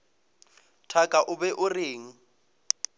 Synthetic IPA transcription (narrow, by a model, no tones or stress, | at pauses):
tʰakʼaʔʊbɛʔʊreːŋ̩